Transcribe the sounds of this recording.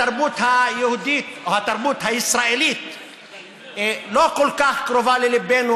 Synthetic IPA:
aɾbut̪hajʊhud̪iːt̪what̪aɾˤbut̪haɪsɾaʔiliːt̪ | lokʊlkaxkɾovaːliliben

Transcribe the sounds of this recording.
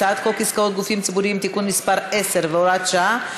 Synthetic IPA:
at̪kolkiskao̞t̪̚ɡufimt͡sibuɾimt̪ikunmispaɾe̞se̞ɾveoɾat̪ʃa

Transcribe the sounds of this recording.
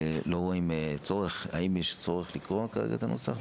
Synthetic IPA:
loɣoimt͡soʁeχaimeʃt͡soʁeχlikʁoakaʁḛɡa̰t̪anot͡saχ

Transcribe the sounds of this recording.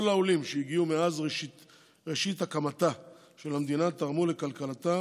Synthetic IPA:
olaolimʃejiɡiumeazʁeʃit | ʁeʃit̪akamata | ʃe̞lamd̪inat̪aʁmule̞kalkalat̪a

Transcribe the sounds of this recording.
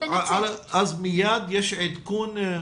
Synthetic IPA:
ʕaʕalaʔazmɪjaːt̪jɪʃʕit̪akuːn

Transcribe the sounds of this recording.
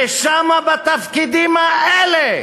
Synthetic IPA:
eʃamabat̪afkid̪imaʔele

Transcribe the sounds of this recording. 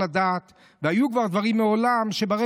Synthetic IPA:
ad̪aːt̪ | vehajukvaʁd̪vaʁimːeo̞lamʃebaʁe

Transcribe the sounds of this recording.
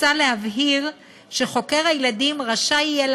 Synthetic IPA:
alehavɦiʁ | ʃeχo̞ke̞ʁajladimʁaʃaijel

